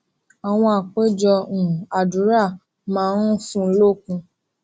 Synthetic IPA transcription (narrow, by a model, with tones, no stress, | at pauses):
a˨w̃ɔ̃˧a˨k͡pe˦d͡ʒɔ˧ũ˨a˨du˨˦ɾa˦˨ | mãː˦nũ˦fũ˧˦lo˦˨kũ˧